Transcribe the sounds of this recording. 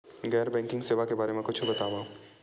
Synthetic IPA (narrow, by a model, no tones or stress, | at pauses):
ɡɛːɾbɛ̃ːŋkɪ̃ŋɡseːʋakebaːɾemẽkʊt͡ʃʰbɐt̪aːʋãː